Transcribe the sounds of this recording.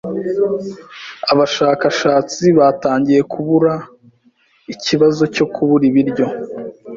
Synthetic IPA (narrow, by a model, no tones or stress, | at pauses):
aβaʃaːkaʃaːt͡siβaːtaːɲɟije̞kʰuβuɾa | iciβazo̞co̞kʰuβuɾiβiɾɟo̞